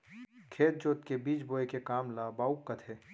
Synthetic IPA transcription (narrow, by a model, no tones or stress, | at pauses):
kʰeːt̪̚d͡ʒoːt̪̚kebiːt͡ʃboːekekaːmlaːbaːukːət̪ʰe